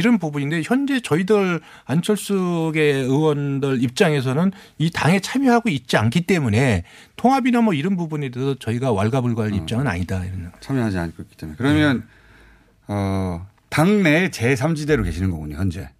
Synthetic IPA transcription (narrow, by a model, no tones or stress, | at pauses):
iɾʌnbubuɲinde̞çjʌnd͡ʑe̞t͡ɕʌidɯɾ | ant͡ɕʰʌɭs͈uɡe̞ɯwʌndɯɾip̚t͡ɕ͈aŋe̞s̬ʰʌnɯnitaŋe̞t͡ɕʰamjʌɦaɡoit̚t͡ɕ͈iankʰit͈e̞mune̞ | tʰoŋɦabinamʌiɾʌnbubunedesʰʌt͡ɕʌiɡawaɭɡabuɭɡaɦaɭip̚t͡ɕ͈aŋɯna̰ɲidaiɾʌnːɡt͡ɕʰamjʌɦad͡ʑia̰nik͈oik͈ːi̥t͈emunekɯɾʌmjʌn | ʌ | taŋne̞t͡ɕe̞sʰamd͡ʑide̞ɾoke̞ɕʰinɯnɡʌɡuɲo̰jʌnd͡ʑe̞̰